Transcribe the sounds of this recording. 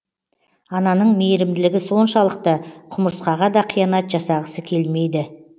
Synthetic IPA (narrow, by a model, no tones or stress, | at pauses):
ɑnɑnəɴmejɾɪmd̪ɪlɪɡʲɪso̞nʃɑlˠəq̚t̪əqʰʊməɾsqɑʁɑd̪ɑqʰijɑnɑt̪ʒɑsɑʁəsəkʲʰe̞lme̞jd̪ɪ